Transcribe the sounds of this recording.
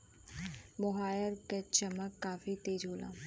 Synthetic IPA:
bɔɦaːjəɾket͡ʃəməkːaːfit̪eːd͡ʒɦoːlã̰ː

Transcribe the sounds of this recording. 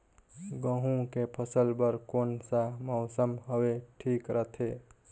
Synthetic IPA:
ɡə̃ɦũkepʰəsəlbəɾkonsamɔʊsəmɦəweʈʰikɾət̪ʰe

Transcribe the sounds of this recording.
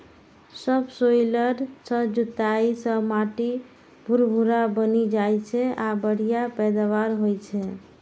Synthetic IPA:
səbsojləɾsə̃d͡ʒut̪aisə̃maʈi | bʱuɾbʱuɾabənid͡ʒajt͡ʃʰɛabəɽ̤ijapɛd̪aβaɾɦojt͡ʃʰɛ

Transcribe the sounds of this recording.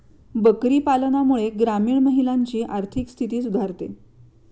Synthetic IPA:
bəkɾiːpalənamuɭeɡɾamiːɳməɦilaɲt͡ɕiːʔaɾt̪ʰikst̪ʰit̪iːsud̪ʱaɾt̪ḛ

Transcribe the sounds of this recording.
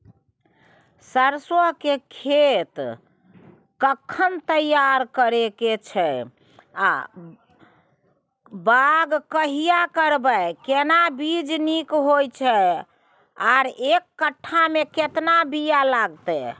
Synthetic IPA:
səɾswəɦkekʰet̪ | kəkʰːənt̪əjaɾkəɾeket͡ʃʰɛ | a̰ | baɡkəɦijakəɾbəkenabid͡ʒnikɦojt͡ʃʰɛ | aɾekːəʈʰːameket̪nabijalaɡt̪ɛ

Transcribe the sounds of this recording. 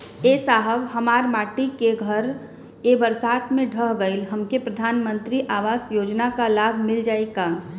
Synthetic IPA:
eːsaːɦəʋɦəmaːɾmaːʈikeɡʱəɾ | ebəɾsaːt̪mẽɖʱəɦɡəɪlɦɐmkepɾəd̪ʱaːnmə̃nt̪ɾiʔaːʋaːsjoːd͡ʒnakalaːbʱmɪld͡ʒaːeka

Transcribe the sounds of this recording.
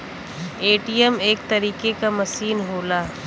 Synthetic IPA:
eːʈijəmeːkt̪ɐɾiːkekamɐsiːnɦoːlaː

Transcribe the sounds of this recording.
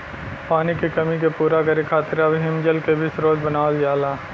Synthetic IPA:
paːnikekɐmikepuːɾakɐɾekʰaːt̪ɪɾabʱɦɪmd͡ʒəlkebʱɪsɾoːd͡ʒbɐnaːld͡ʒaːlaː

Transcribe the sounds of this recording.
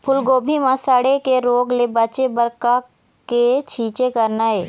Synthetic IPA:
pʰʊlɡoːbʱimãsaɽekeɾoːɡlebɐt͡ʃebəɾka | ket͡ʃʰiːt͡ʃekəɾnaɦeː

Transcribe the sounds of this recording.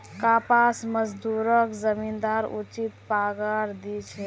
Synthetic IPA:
kapasməd͡ʒd̪uɾəkzəmind̪aɾṵt͡ʃit̪paɡaɾd̪it͡ʃʰe

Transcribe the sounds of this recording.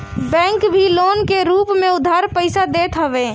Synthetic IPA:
bɛ̃ːŋkbʱiloːnkeɾuːpmẽʊd̪ʱːaɾpəɪsad̪eːt̪ʰɦəʋẽ

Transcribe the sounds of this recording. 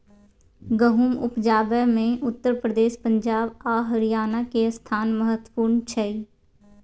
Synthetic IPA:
ɡəɦuːmʊpd͡ʒaːbɛmẽʔʊt̪ːəɾpɾəd̪eːʃpə̃ɲd͡ʒaːbaːɦəɾɪjaːnakest̪ʰaːnməɦət̪wə̥puːɾnt͡ʃʰəiː

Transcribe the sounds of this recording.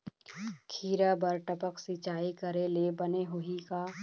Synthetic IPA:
kʰiːɾabɐɾʈəpəksit͡ʃaːikəɾelebɐneɦʊika

